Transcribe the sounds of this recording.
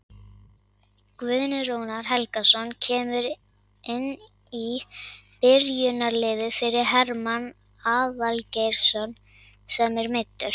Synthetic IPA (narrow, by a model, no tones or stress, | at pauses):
kvʏðnʏɾownaɾ̥ɦɛlkasɔncʰɛːmʏɾ | ɪnː | ipɪɾjʏnaɾlɪːðʏfɪɾɪɾ̥ɦɛɾman | aːðalcejɾ̥sɔn | sɛmɛɾmɪjt̪ːʏɾ̥